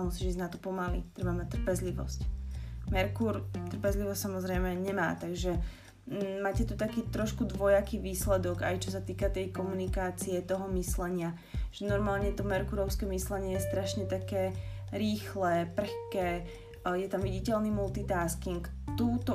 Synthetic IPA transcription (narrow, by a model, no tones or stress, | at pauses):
musiːʒiznat̪ɔpɔmalḭt̪ɾɛbamac̚t̪r̩pɛzliʋɔ̰scmɛɾkuɾt̪r̩pɛzliʋɔstsamɔzɾɛjmɛɲɛma̰ːt̪aɡʒɛ | maːcɛt̪ut̪akiːt̪ɾɔʃkud̪ʋɔjakiːʋiːslɛd̪ɔɡa̰jt͡ʃɔs̬at̪iːkat̪ɛjkɔmunikaːt͡siɛt̪ɔɦɔmislɛɲɪa | ʒ̥ɛnɔɾmaːlɲɛt̪ɔmɛɾkuɾɔʊskɛmislɛɲɪɛjɛst̪ɾaʃɲɛt̪akɛːɾiːxlɛːpr̩xkɛː | jɛt̪amʋiɟicɛlnimult̪it̪aːskiŋk | t̪uːt̪ɔ